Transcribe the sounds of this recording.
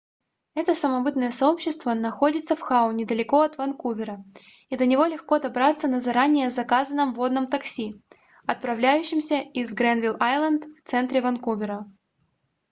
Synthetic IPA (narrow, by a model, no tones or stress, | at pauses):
ɛt̪əsəmɐbɨt̪nəjəsɐo̞pɕːɪst̪vənɐxo̞dʲɪt̪səfxaʊnʲɪd̪əlʲɪko̞ɐt̪vɐnkuvʲɪɾə | id̪lʲənʲɪvo̞lʲɪxko̞d̪ɐbɾat̪sːənəzɐɾanʲɪjəzɐkazənəmvo̞d̪nəmt̪ɐksʲi | ɐt̪̚pɾɐvlʲæjʉɕːɪmsʲəɪzɡɾɛnvʲilˠajlˠənd̪ft̪sɛnt̪ɾʲɪvɐnkuvʲɪɾə